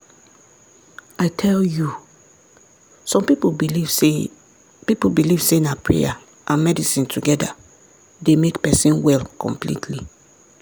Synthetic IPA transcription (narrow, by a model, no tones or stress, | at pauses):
aɪtʰɛlju | sɔ̃mpipove | pipolbiliv̥senapʰɹḛja | ʔãnmɛdisĩntʰuɡɛda̰ | demekpɛsĩnwɛlkʰɔ̰̃mplḭtʰli